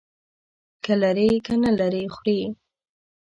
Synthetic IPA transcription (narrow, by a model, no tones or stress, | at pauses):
kalaɾekanalaɾexɾe